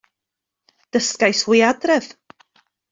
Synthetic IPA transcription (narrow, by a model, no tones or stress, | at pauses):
d̥əskajswɪjadrɛv̥